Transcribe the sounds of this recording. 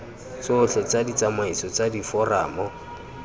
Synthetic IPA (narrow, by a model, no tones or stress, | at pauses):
t͡sʊɬɔt͡sadit͡samaisɔt͡sadifɔra̰ːmɔ